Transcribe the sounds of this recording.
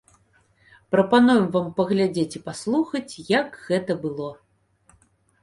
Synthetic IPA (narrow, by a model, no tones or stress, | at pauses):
pɾɐpanujɐmvampɐɣlʲad͡zʲet͡sʲipaslˠuxɐt͡sʲjɐɡɣɛt̪ɐbɨlˠɔ